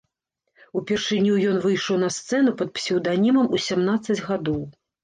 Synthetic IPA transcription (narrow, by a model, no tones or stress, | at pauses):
upʲɛrʂɨnʲujɔnvɨjʂɔwnɐst̪sɛnupɐt̪̚psʲɛwd̪anʲimɐmusʲamnat̪sːɐd͡zʲɣad̪ɔw